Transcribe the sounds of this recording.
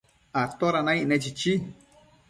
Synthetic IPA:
at̪oɾanãiʔnɛ̃t͡ʃit͡ʃi

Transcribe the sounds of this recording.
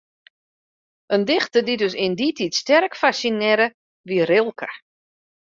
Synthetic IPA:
əndɪxtədidøs̬ɪndititstɛrkfasinɛɾə | ʋiərɪlˠkʰə

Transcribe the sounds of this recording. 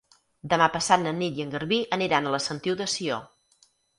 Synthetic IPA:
d̪əmapəsat̪nənit̪jəŋɡəɾβiʔəniɾanələsənt̪iwðəsio

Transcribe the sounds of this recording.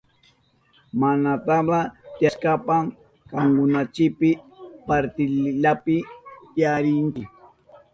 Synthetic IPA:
manat̪aɢat̪jaskapam | kaŋkʊnat͡ʃɪpɪpaɾt̪ɪlʎapɪt̪jaɾɪnt͡ʃɪ

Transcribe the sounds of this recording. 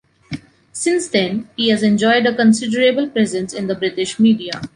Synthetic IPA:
sɪ̃nsd̪ɛ̃nhiːhæzɛ̃nd͡ʒɔɪɖəkə̃nsɪɖəɾebəlpɾɛzə̃nsɪ̃nd̪əbɾɪʈɪʃmiːɖia

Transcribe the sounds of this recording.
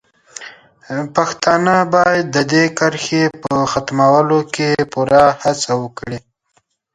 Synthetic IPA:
paxt̪ɑnəbɑjad̪ːəd̪ekəɾxepəxat̪mawəlokepuɾahat͡sawəkɽi

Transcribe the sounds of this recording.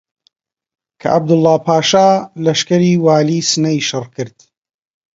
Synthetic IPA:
kʰɐ̰ʔɐb̚d̪ɨlːaːpʰaːʃaːlɐʃkɐɾiːwaːliːsɨnɐjʃɨrkʰɨɾd̪̥

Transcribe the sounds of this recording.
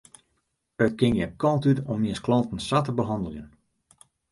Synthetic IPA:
ət̚kɪŋjɛkʰɔlˠtytomjɪnsklɔntn̩satəbəɦɑndəlˠjən

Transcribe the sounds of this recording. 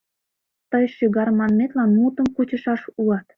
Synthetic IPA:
t̪əjʃyɣɑɾmɑnmet̪lɑnmut̪ə̆mkut͡ɕə̆ʃɑʃuɑt̪

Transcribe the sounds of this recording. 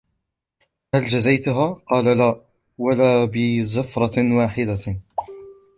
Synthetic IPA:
hald͡ʒazajt̪ʊɦaːqɑːlalaː | walaːbɪzafɾˤɑwaːħɪd̪a

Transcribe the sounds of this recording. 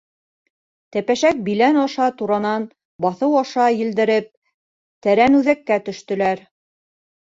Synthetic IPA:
t̪æpæʃæk̚bilænɑʃɑt̪uɾɑnɑn | bɑθɤwɑʃɑjɘ̆ld̪ɘ̆ɾɘp̚ | t̪æɾænʉðækːæt̪ɵ̆ʃt̪ɵ̆læɾ

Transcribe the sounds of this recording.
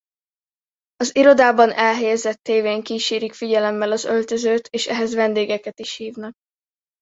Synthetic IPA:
ɒziɾo̞d̪aːbɒnʔɛlɦɛjɛzɛt̪ːeːveːŋkiːʃeːɾikfiɟɛlɛmːɛlɒzø̞lt̪øzøːt̪ʰeːʃɛɦɛzvɛnd̪eːɡɛkɛt̪iʃhiːvnɒk̚

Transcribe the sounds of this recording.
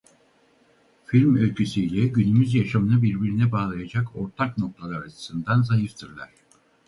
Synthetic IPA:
filʲmølʲcʰysiːlʲɛɟynymyzjaʃamɯnɯbiɾbiɾinɛbaːlˠajad͡ʒakʰo̞ɾt̪ʰakno̞k̚t̪ʰalˠaɾat͡ʃʰɯ̥sɯnd̪anzajɯft̪ʰɯɾlˠaɾ̝̥

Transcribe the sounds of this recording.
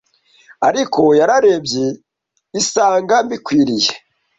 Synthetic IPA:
aɾikʰo̞jaɾaɾe̞bje | isaːŋɡambikwiːɾije

